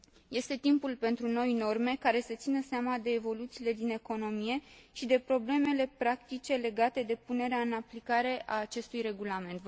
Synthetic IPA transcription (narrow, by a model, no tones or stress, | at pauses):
je̞st̪e̞t̪impulpe̞nt̪ɾuno̞jno̞rme̞kaɾe̞sət̪sinəseamad̪e̞ːvo̞lut̪siːle̞d̪ine̞ko̞no̞mije̞ʃid̪e̞pɾo̞ble̞me̞le̞pɾakt̪it͡ʃe̞le̞ɡat̪e̞d̪e̞pune̞ɾeaɨnaplikaɾe̞ʔaːt͡ʃe̞st̪ujre̞ɡulame̞nt̪